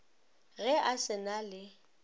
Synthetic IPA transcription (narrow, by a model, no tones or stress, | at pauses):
ɣɛʔasɪnalɪ